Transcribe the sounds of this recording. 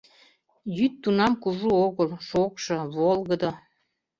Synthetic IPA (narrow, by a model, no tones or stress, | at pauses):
jyt̪ːunɑmkuʒuoɣəlʃokʃɤ̆βolɣəd̪o